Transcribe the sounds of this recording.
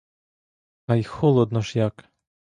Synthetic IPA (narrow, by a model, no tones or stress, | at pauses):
ɐjxɔlˠɔd̪nɔʒjak